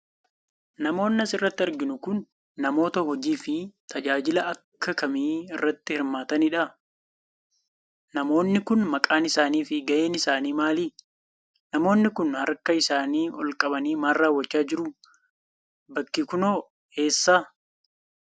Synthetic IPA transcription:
nɐmo̞ːnːɐsɪrːɐt̪ːɪɐɾɡɪnʊkʊnː | ɐmo̞ːt̪ɐhɔd͡ʒiːfɪt̪ʰɐd͡ʒaːd͡ʒɪlɐʔɐkʰːɐkɐmiːɪrːɐt̪ːɪhɪɾmaːt̪ɐnɪᶑɐ | nɐmo̞ːnːɪkʊnmɐkʼaːnɪsaːniːfɪɡɐʔe̞ːnɪsaːniːmaːliː | nɐmo̞ːnːɪkʊnhɐɾkɐɪsaːniːɔlkʼɐbɐniːmaːrːaːwːɐt͡ʃːaːd͡ʒɪɾʊ | bɐkːɪkʊnoː | e̞ːsːaː

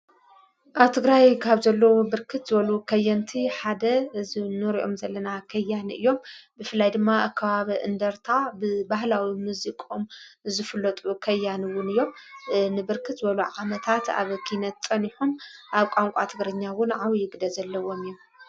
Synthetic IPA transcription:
ʔaβt̪ʰɨɡɾajkʰaβzɐlːɐwobɨɾkʰɨt̪zɨβɐlukʰɐjːɐnt̪ʰiħad̪ɐzɨnɨɾiʔo̞̰mzɐlːɐnakʰɐjːanɨ̰jːo̞mbɨfɨlːajd̪ɨmːaakʰːɐβaβiʔɨnd̪ɐɾt̪ʰabɨbaɦlawimuzikʼomzɨfɨlːɐt̪ʼukʰɐjːaniwʊnɨjːo̞mnɨbɨɾkʰɨt̪zɨbɐluʕamɐt̪ʰat̪a̰βkʰinɐt̪t͡sʼɐniħumʔaβkʼaŋkʷʼat̪ʰɨɡɾɐɲːawʊnʕawjɪɡd̪ɐzɐlːɐwo̞mɨjːom

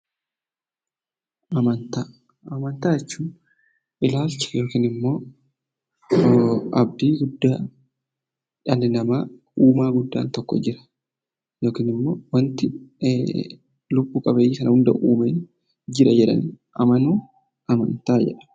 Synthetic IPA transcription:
ʔɐmɐnt̪aː | ɐmɐnt̪aːjɛt͡ʃːuːn | ʔɪlaːlt͡ʃːɐ̥jo̞ːkiːnɪmːo̞ː | ɐb̚d̪iːɡʊd̪ːaː | ᶑɐlɪnɐmaː | uːmaːɡʊd̪ːa̰ːnt̪ɔkːɔ̰d͡ʒɪɾɐ̥ | joːkiːnɪmːo̞ːwɐnt̪ɪ | lʊbːuːkʼɐbeːjiːsɐnɐhʊnd̪ɐ̰ʔuːmeː | d͡ʒɪɾɐd͡ʒɛᶑɐ̰n | ʔɐmɐnuː | ɐmɐ̰nt̪aːd͡ʒɛ̰ᶑɐ̥

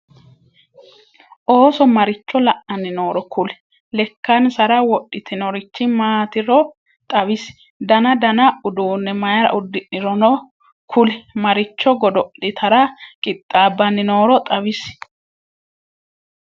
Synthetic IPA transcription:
ʔo̞ːsɔmɐɾɪt͡ʃːɔlɐʔɐnːɪno̞ːɾɔkʊlɛ̥ | lɛkːɐnsɐɾɐwɔɗːɪt̪ʰɪnɔɾɪt͡ʃːɪmaːt̪ɪɾɔ | t̪ʼɐβɪs | d̪ɐnɐd̪ɐnɐʔʊd̪uːnːɛmɐjɐɾɐ̰ʔʊd̪ːɪʔɪɾɔnɔ | kʰʊlɛmɐɾɪt͡ʃːɔɡɔd̪ɔʔɪt̪ʰɐɾɐkʼɪt̪ʼːaːbːɐnːɪno̞ːɾɔt̪ʼɐwɪs

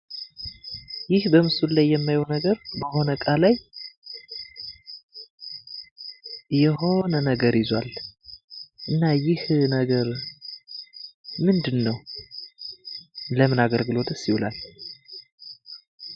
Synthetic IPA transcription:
jɪhbəmɨsulajːɛmːajwonəɡəɾbəho̞nəkʼalaj | jɛɦo̞nənəɡəɾɪzwal | ʔɨnːajɪhnəɡəɾ | mɨnd̪ɨnːəw | ləmɨnaɡəlɡɨlo̞t̪ʼɨsiwula̰l

